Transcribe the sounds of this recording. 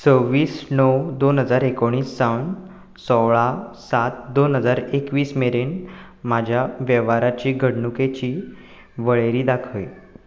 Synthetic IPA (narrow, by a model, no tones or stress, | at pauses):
t͡səʋiːsnɔwd̪onɦəd͡zaɾekoɽ̃iːsːawn | sɔwɭasat̪̚d̪onɦəd͡zaɾekʋiːsmeɾeɳ | mad͡ʑʱjaʋjɛʋaɾat͡ɕiːɡʱəɽɳuket͡ɕiː | ʋəɭeɾiːd̪akʰəʋj